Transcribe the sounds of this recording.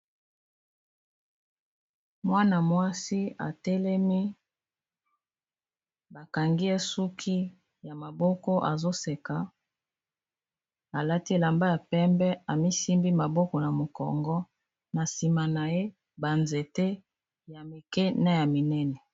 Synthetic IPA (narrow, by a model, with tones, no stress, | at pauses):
mwa˦na˨mwa˦si˦a̰˨tɛ˦lɛ˦mi˦ | ba˨ka˨ŋɡi˦e˦su˦kʰi˦ | ja˨ma˨bɔ˦kɔ˦ʔa̰˨zo˦se˨ka˨ | a˨la˦ti˦e˨la˨mba˦ja˨pɛ˦mbɛ˦a˨mi˦si˦mbi˦ma˨bɔ˦kɔ˨na˨mo˨kɔ̰˨ŋɡɔ˦ | na˨si˨ma˨na˨je˦ | ba˨nze˨te˦ | ja˨mi˨kɛ˦na˦ja˨mi˨nɛ˦nɛ˨